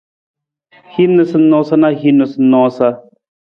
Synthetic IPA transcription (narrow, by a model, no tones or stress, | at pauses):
hinəsənõːsanaɦinəsnːɔ̃ːsa